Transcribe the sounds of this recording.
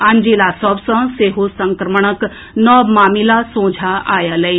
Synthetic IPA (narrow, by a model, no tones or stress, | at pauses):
and͡ʒilasɔbsɐ̃seːɦosɐ̃ŋkɾəməɳ̃ək | nɔːmaːmilasõːd͡ʒʱaaːjalɐi